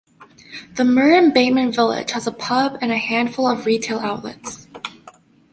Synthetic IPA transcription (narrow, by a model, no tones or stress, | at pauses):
ðəmɜ˞ɨ̃nbẽɪmɨ̃nvɪlˠɪ̰d̥ʒ̥həzəpʰʌbɨ̃nɨhæ̃nd̥fʊlˠʌvɹitʰeɪlˠaʊʔˡlə̰ts